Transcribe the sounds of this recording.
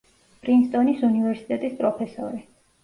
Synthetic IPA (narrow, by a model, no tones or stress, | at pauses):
b̥ʼɾinst̪ʼɔnisunivɛɾsit̪ʼɛt̪ʼispʼɾɔpʰɛsɔɾi